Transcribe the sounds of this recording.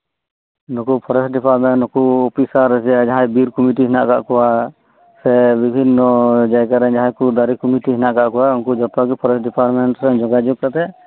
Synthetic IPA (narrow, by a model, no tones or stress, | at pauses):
nɔkupʰɔɾɛsɖipʰaɾmɛnnɔkuɔpisaɾɛsɛad͡ʒaɦãjbiɾkɔmiʈiɦinaʔka̰ʔkɔwa | sɛbibʱinːɔd͡ʒajkaɾɛɲd͡ʒaɦãjkud̪aɾikɔmiʈiɦinaʔkaʔkɔwaunkud͡ʒɔpaɡipʰɔɾɛsɖipʰaɾmɛɳʈɾɛɲd͡ʒɔɡad͡ʒuk̚kat̪ɛ